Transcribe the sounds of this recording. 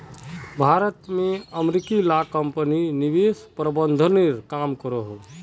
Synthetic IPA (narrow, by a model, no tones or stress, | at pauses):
bʱaɾət̪meəmɾikilakəmpəninibespɾəbənd̪ʱəneɾkamkəɾɔɦo